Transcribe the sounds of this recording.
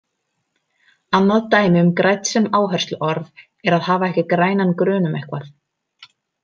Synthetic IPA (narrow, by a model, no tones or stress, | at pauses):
anːaðt̪aːjmɪʏmkɾaːjt̪nsɛmaːwɦɛrst̪lʏʔɔɾv | ɛɾaðhaːvaɛhcɪkɾaːjnankɾœːnʏmɛhkvaθ